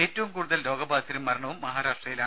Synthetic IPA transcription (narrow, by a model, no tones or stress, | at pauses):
e̞ːtːɐʋumkuːɽuðɐllo̞ːɡɐbaːd̪ʰiɾɐmːɐɾɐɳɐʋumːɐɦaːɾaːʂʈrɐjilaːɳɨ